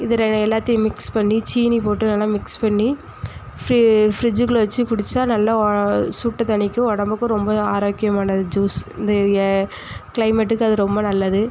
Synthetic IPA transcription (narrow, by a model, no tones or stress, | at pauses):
ɪðɯɾɛɛlːaːt̪ːɪjɐ̃mɪkspɐɳːit͡ʃiːnipoːʈːɯnɐlːaːmɪkspɐɳːi | fɾɪfɾɪd͡ʒɯkːɯlʋɐt͡ʃːɯkʊɽɪt͡ʃːaːnɐlːɐsuːʈːɐt̪ɐɳɪkʲːɯ̃ɔɽɐmbɯkːʊ̃ɾɔmbɐaːɾoːkːɪjɐmaːnɐðɯd͡ʒuːsɪ̰nd̪ɐ | klɐɪmɛʈːɯkːɯɐðɯɾɔmbɐnɐlːɐðɯ